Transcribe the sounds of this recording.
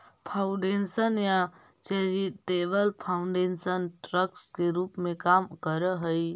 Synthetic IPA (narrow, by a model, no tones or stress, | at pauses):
pʰaʊ̃ɖensənja | t͡ʃeɾiʈebəlpʰauɳɖensənʈɾəkskeɾupmẽkamkəɾəɦəj